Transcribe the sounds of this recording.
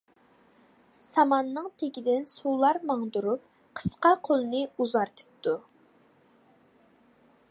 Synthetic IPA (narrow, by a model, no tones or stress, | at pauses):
sɑmɑnːɨŋt̪ʰeɡʲid̪ɪnsulˠɑɾmɑŋd̪uɾup | qʰə̥sqɑqʰolˠɨnɨuzɑɾt̪ʰɨ̥p̚t̪u